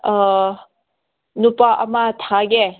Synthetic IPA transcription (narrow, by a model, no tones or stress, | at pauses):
nupaʔamat̪ʰaɡe